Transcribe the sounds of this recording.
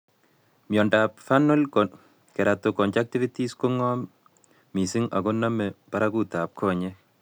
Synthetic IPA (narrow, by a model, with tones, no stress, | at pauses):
mjɔ˨ndapfanɔlkɔ | kɛ˨ɾatokɔ˨nt͡ʃak̚ti˦vi˦tisko˦ŋɔ˦mː | i˨si˦ŋa̰˨ɡo˦na˦mɛpa˦ɾaku˦ta˨p̚kʰɔ˦ɲɛ